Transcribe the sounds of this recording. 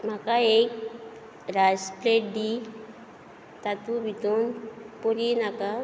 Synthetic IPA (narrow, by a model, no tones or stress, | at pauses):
m̤akaek̚ | ɾaspleʈ̚ɖi | t̪at̪ubʱit̪unpuɾinaka